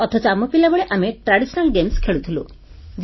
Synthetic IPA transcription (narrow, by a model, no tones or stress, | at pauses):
ɔt̪ʰɔt͡ʃɔamɔpilabɔɭeʔameʈɾaɽisɔnalɡemskʰeɭut̪ʰilṵ | d͡ʒ